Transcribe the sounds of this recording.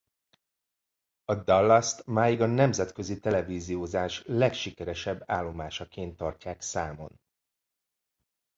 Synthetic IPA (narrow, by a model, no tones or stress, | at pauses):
ɒd̪ɒlːɒst̪maːjiɡɒnɛmzɛt̪køzit̪ɛlɛviːzioːzaːʃlɛkʃikɛɾɛʃɛbːaːlːo̞maːʃɒkeːnt̪ːɒrcaːksaːmo̞̰n